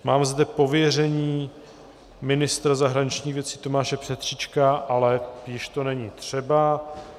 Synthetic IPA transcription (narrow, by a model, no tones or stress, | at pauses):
maːmzd̪ɛpo̞vjɛr̝ɛɲiː | mɪnɪst̪ɾazaɦɾaɲɪt͡ʃɲiːxvjɛt͡sit̪o̞maːʃɛpr̥ɛt̪r̝̥it͡ʃkaʔalɛjɪʃt̪o̞nɛɲiːt̪r̝̥ɛba